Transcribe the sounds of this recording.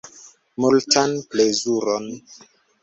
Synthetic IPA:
multanplezuɾon

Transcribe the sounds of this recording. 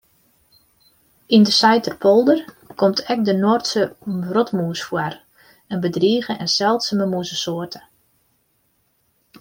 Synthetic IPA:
indəsajtərpʰolˠdər | kʰɔmtʰɛk̚dənortsərɔtmuːsfwar | ɛnbədriːɣəʔɛnsɛlˠtsəməmuəsəsoərtʰə

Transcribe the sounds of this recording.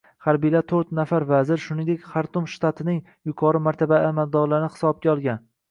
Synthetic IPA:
χaɾbijlat̪ʰɵɾt̪nafaɾvazɪɾʃʊnɪ̃ŋd̪ekʲχaɾt̪ʰʊmʃt̪at̪ʰɪnɪŋ | jʊkʰɒɾɪmaɾt̪ʰabaːmald̪ɒɾlaɾnɪhɪ̥sɒb̚ɡʲaɒlˠɡʲan

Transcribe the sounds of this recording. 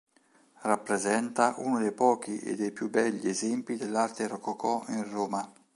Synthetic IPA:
rapːɾezɛnt̪aʔunʊd̪ejpɔːk̟iʔḛd̪ːejpjubːɛʎːiezɛmpid̪elːart̪eɾɔkɔkɔinroːma

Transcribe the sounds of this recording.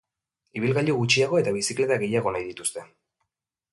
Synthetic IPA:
iβ̞ilɣaʎuɣut͡ʃiaɣ̞o̞e̞t̪aβisikle̞t̪aɣe̞jaɣo̞najðit̪ust̪e̞

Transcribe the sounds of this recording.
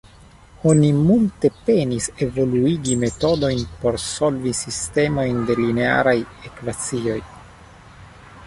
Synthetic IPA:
o̞nimulte̞pe̞nise̞vo̞luiɡime̞to̞do̞jnpo̞ɾso̞lvisiste̞mo̞jnde̞line̞a̰ɾaj | e̞kvat͡sio̞j

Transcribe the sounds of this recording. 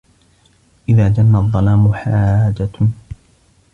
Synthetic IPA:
ʔɪðaːd͡ʒanːaðˤːɑlaːmʊħaːd͡ʒa

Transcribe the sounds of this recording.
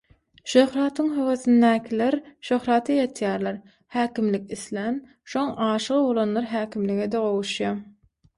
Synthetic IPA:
ʃøhɾɑːt̪ʰɯŋɦøwøθind̪æːkʰʲileɾʃøhɾɑːt̪ʰɑjɑt̪ʰjæːɾlɑɾ | hæːkʲimlikʲiθlæn | ʃoŋɑːʃɯʁɯbo̞lˠɑnlˠɑɾɦæːkʲʰimliɡed̪eʁo̞wuʃjɑ

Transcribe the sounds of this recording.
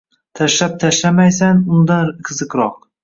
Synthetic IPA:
t̪ʰaʃlap̚t̪ʰaʃlamajsanʊnd̪anqʰɨzɨqɾɒq̚

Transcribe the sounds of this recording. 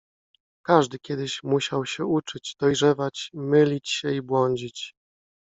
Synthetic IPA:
kaʐd̪ɘkʲjɛd̪ɘɕmuɕawɕɛut͡ʂɘd͡ʑd̪̥ɔjʐɛvat͡ɕmɘlʲit͡ɕɕɛibwɔɲd͡ʑit͡ɕ

